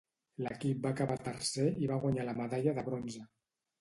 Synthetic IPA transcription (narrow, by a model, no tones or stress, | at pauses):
ləkip̚bakaβat̪əɾseiβaɣwaɲaləməðaʎəðəβɾonzə